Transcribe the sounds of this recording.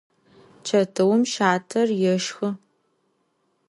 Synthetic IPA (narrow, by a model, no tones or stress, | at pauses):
t͡ʃʰɐtʰɐwʊmʃaːtʰɐrjɛʃxɨ